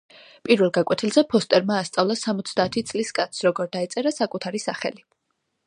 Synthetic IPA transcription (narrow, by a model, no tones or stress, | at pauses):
pʼiɾvɛlˠɡakʼwɛt̪ʰilˠzɛpʰɔst̪ʼɛɾmaːst̪sʼavlˠasamɔt̪sʰd̪aːt̪ʰit̪sʼliskʼat̪ssɾɔɡɔɾd̪ait̪sʼɛɾasakʼut̪ʰaɾisaχɛ̰li